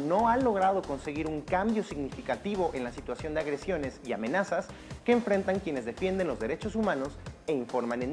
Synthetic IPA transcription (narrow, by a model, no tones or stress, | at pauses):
no̞alo̞ɣ̞ɾað̞o̞ko̞nse̞ɣiɾuŋkambjo̞siɣnifikat̪iβo̞ʔe̞nlasit̪wasjo̞nd̪eaɣɾe̞sjo̞ne̞siamẽ̞nasas | ke̞ːɱfɾe̞nt̪aŋkje̞ne̞zðe̞fje̞nd̪e̞nlo̞zðe̞ɾe̞t͡ʃo̞sumãno̞se̞iɱfo̞ɾmanen